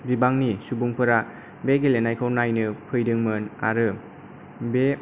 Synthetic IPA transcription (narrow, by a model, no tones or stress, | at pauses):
bibaŋnisubuŋpʰɯɾa | beɡelenajkʰawnajnɯpʰɯjdɯŋmɯna̰ɾɯ | be